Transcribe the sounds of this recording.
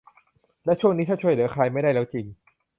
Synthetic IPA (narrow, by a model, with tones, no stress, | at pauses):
lɛ˦˥t͡ɕʰu˥˩ŋniː˦˥aː˥˩t͡ɕʰu˥˩əjlɯː˩˦ɐ˦kʰaː˧jma˥˩jda˥˩jlɛ˦˥wt͡ɕi˧ŋ